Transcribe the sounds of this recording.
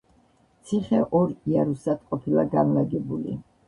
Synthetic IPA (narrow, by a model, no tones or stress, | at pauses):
t̪sʰiχɛʔɔɾiaɾusad̪qʼɔpʰilaɡanlaɡɛbulḭ